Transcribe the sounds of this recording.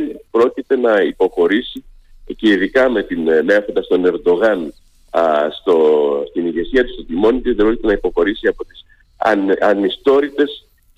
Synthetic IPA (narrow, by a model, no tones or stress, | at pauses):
pɾo̞cit̪e̞nɐipo̞xo̞ɾisi | ce̞iðikɐme̞t̪inmefond̪ɐst̪o̞ne̞ɾd̪o̞ɣɐn | st̪ost̪iniʝe̞siɐt̪ust̪ot̪imo̞nit̪izðebɾo̞cit̪e̞nɐipo̞xo̞ɾisiɐpo̞t̪i̥s | ɐnist̪o̞ɾit̪e̞s